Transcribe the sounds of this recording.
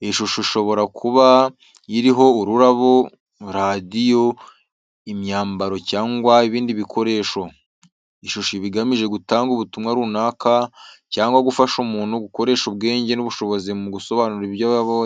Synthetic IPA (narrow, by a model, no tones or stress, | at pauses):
iʃuʃuiʃo̞βo̞ɾakʰuβa | iɾiɦo̞uɾuɾaβo̞ | ɾadijo̞ | imɲaːmbaɾo̞caːŋɡwaiβiːndiβikʰo̞ɾe̞ːʃo̞ | iʃuʃuβiɡamiʒe̞ɡutaːŋɡuβutumŋaɾuːnaːkacaːŋɡwaɡufaʃumuːnhuɡuko̞ɾe̞ːʃub̚ɡe̞ːɲɟe̞nuβuʃo̞βo̞zimuɡuso̞βanuɾijaβaβo